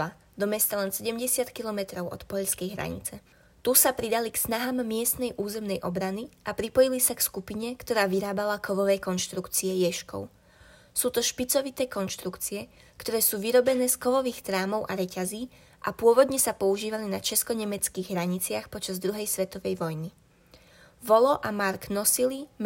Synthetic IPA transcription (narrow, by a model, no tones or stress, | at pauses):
a | d̪ɔmɛst̪alɛnsɛɟɛmɟɛsɪat̪kilɔmɛt̪ɾɔʊʔɔ̰t̪pɔʎskɛjɦɾa̰ɲḭt͡sɛ | t̪usapɾid̪aliksnaɦaːmːɪɛst̪nɛjʔuːzɛmnɛjʔɔbɾaniʔapɾipɔjilisakskupiɲɛkt̪ɔɾaːʋiɾaːbalakɔʋɔʋɛjkɔnʃt̪ɾukt͡siɛjɛʃkɔ̰ʊ | suːt̪ɔʃpit͡sɔʋit̪ɛːkɔnʃt̪ɾukt͡siɛ | kt̪ɔɾɛːsuːʋiɾɔbɛnɛːskɔʋɔʋiːxt̪ɾaːmɔʊʔaɾɛcaziː | ʔa̰pʊɔʋɔd̪ɲɛsapɔuʒiːʋalinat͡ʃɛskɔɲɛmɛt͡skiːɣɦɾaɲit͡sɪaxpɔt͡ʃazd̪ɾuɦɛjsʋɛt̪ɔʋɛjʋɔjni | ʋɔlɔʔamaɾɡnɔsilim